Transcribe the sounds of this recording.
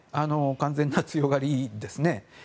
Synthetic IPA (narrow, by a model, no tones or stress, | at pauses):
anokãnd͡zẽ̞nːat͡sɨjo̞ɡaɾid̪e̞sɨne̞